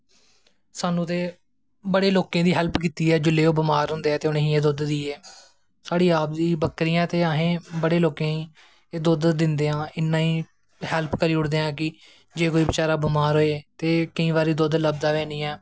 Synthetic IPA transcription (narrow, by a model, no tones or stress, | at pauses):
saːnũːt̪eː | bəɽeːloːkẽːd̪iːɦɛlpkiːt̪iːɛːd͡ʒʊlːeːoːbəmaːɾɦʊ̃nd̪eːɛːt̪eːʊnẽːɦĩːeːd̪ʊd̪d̪iːeː | saːɽiːaːp̚d̪iːbəkɾiːãːt̪eːaːɦẽːbəɽeːloːkẽːĩː | eːd̪od̪d̪ɪnd̪eːãːɪnːãːiː | hɛlpʰkəɾiːʊɽd̪eːãːkɪ | d͡ʒeːkoːiːbɪt͡ʃaːɾaːbɪmaːɾɦoːeːt̪eːkəĩːbaːɾiːd̪od̪ləb̚d̪aːʋɛ̃ːniːɛː